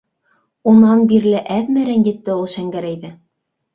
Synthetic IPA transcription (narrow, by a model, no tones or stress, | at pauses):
unɑnbiɾlɘʔæðmæɾænjɘ̆t̪ːɘulˠʃæŋɡæɾæjðɘ